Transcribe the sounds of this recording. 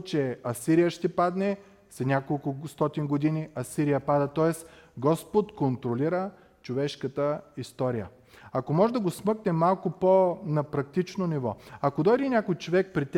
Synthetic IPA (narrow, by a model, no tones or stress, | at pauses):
t͡ʃɛɐsiɾijəʃt̪ɛpad̪nɛ | sɐnʲakolˠkʊst̪ɔt̪inɡod̪iniɐsiɾijəpad̪ɐt̪ɔɛsɡɔspot̪kont̪ɾoliɾə | t͡ʃovɛʃkət̪əist̪ɔɾijə | ɐkomɔʒɛd̪ɐɡosmɤknɛmalˠkʊponɐpɾɐk̚t̪it͡ʃnonivɔɐkod̪ɔjd̪ɛnʲakojt͡ʃovɛk̚pɾit̪ʲ